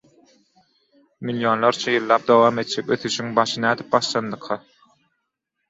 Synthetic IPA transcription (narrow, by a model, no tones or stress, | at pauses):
miljonlˠɑɾt͡ʃʰɑjɯlˠːɑːp̚d̪owɑːme̞t̪̚d͡ʒekøθyʃyŋbɑʃɯnæːd̪i̥p̚bɑʃlˠɑnd̪ɯqʰːɑ